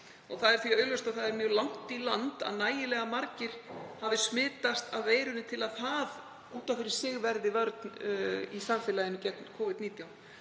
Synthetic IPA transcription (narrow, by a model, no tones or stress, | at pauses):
ɔɣθaðɛɾ̥θviaœːlœst̪aɣθaðɛɾmjœɣlawŋ̥t̪ilant̪a̰ðnaːjɪlɛɣamaɾcɪɾ̥havɪsmɪːt̪ast̪awveːjɾʏnʏt̪ʰɪlaðθað | uːt̪awfɪɾɪɾ̥sɪɣvɛɾðɪvœɾt̪nisaɱfɪːlaðɪnʏcɛt̪nkʰɔːvɪd̪niːt̪jaw